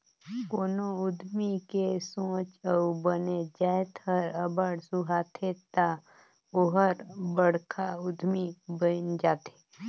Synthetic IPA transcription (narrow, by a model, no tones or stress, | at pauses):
koːnoʊd̪ʱmikesõːt͡ʃəubəned͡ʒaːet̪ʰəɾəbəɽsuɦaːt̪ʰet̪a | oɦəɾbəɽ̤kʰaʊd̪ʱmibəɪnd͡ʒaːt̪ʰe̥